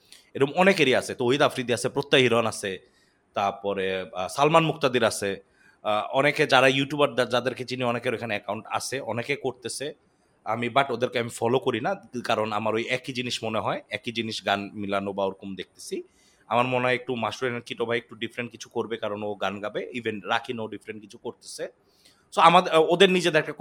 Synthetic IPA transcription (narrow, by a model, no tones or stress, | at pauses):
eɾomɔnekeɾiasʰet̪ojid̪afɾid̪iasʰepɾot̪ːaɦiɾanasʰe | t̪aɾpɔɾesalmanmukt̪ad̪iɾasʰe | ɔneked͡ʑaɾajuʈjubaɾd̪ad͡ʑad̪eɾked͡ʑiniɔnekeɾoekʰaneɛkawɳʈa̰sʰeʔɔnekekoɾt̪esʰe | a̰mibaʈod̪eɾkeamifɔlokoɾinakaɾonamaɾojɛkid͡ʑiniʃmoneɦɔeɛkid͡ʑiniʃɡanmilanobaoɾkumd̪ek̚ʰt̪e̥si | amaɾmoneɔek̚ʈumaʃuɾenekiʈobʱaek̚ʈuɖifɾeɳʈ̚kit͡ɕʰu̥koɾbekaɾonoɡanɡabeibʱenɾakʰinoɖifɾeɳʈ̚kit͡ɕʰu̥koɾt̪e̥sʰe | soamad̪od̪eɾnid͡ʑed̪eɛkʈa